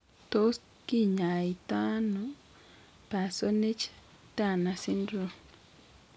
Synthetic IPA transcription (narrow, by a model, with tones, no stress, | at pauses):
to˦s | ki˦ɲa˨i˨t̪a˦no | pa˨so˦ne˦d͡ʒ | ta˨na˨si˦ndɾo˨